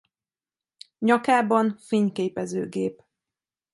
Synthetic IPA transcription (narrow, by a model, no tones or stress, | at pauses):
ɲɒkaːbɒnfeːɲkeːpɛzø̰ːɡeːp